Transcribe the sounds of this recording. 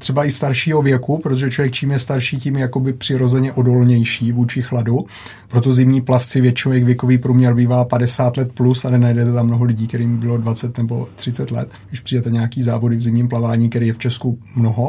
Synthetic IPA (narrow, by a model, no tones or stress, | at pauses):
t̪r̥ɛbaʔɪst̪aɾʃiːɦo̞vjɛkupɾot̪oʒɛt͡ʃlovjɛk̚t͡ʃiːmjɛst̪aɾʃiːcimjjako̞bɪpr̥ɪɾo̞zɛɲɛʔo̞do̞lɲɛjʃiːvuːt͡ʃɪxladu | pɾo̞t̪̬o̞zɪmɲiːplaft͡sɪvjɛt͡ʃɪnowjɛxvjɛkoviːpɾuːmɲɛɾbiːvaːpadɛsaːt̪lɛt̪plusanɛnajdɛt̪ɛt̪amːnoɦolɪɟiːkt̪ɛɾiːmbɪlo̞dvat͡sɛt̪nɛbo̞t̪r̥ɪt͡sɛt̪lɛ̰t̪ | dɪʃpr̥ijdɛt̪ɛɲɛakiːzaːvo̞dɪvzɪmɲiːmplavaːɲiːkt̪ɛɾiːjɛft͡ʃɛskumno̞ɦo̞